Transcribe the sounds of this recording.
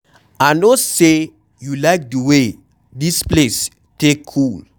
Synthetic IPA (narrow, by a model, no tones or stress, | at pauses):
anose | julaɪk̚dəwe | disples | tekʰːul